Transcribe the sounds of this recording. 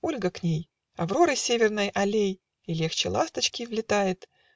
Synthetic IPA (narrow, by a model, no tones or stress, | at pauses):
o̞lʲɡəknʲej | ɐvɾo̞ɾɨsʲevʲɪrnəjʔɐlʲej | ilʲe̞xt͡ɕɪlˠast̪ət͡ɕkʲɪvlʲɪt̪ajɪt̪